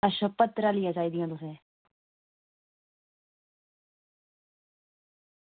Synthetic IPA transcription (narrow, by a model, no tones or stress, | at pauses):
aʃəpːət̪ːɾaːlɪjaːd͡ʒaːiːd̪ɪjãːt̪ʊsẽː